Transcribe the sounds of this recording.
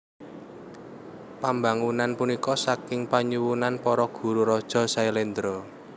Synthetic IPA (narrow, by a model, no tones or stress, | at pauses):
pambaŋunanpunikɔsakɪŋpaɲuwunanpɔɾɔɡ̥ṳɾuɾɔd̥ʒ̥ɔ̤sailend̪ɾɔ